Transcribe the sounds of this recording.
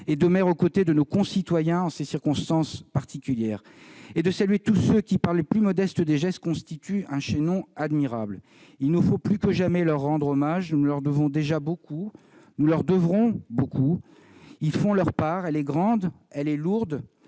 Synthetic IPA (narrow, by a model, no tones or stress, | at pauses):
ed̪əmɛʁokot̪ed̪ənokɔ̃sit̪wajɛ̃ɑ̃sesiʁkɔ̃st̪ɑ̃spaʁt̪ikʲyljɛːʁ | ed̪əsalɥet̪usøkʲipaʁlːeplymɔd̪ɛst̪əd̪eʒɛst̪̚kɔ̃st̪it̪yɛ̃ʃenɔ̃ad̪miʁabl | ilnəfoplykəʒamɛlœʁːɑ̃d̪ʁɔmaʒnunulœʁd̪əvɔ̃d̪eʒabokʰu | nulœʁd̪əvʁɔ̃bokʰu | ilfɔ̃lœʁpaʁɛlɛɡʁɑ̃d̪ | ɛlɛluʁd̪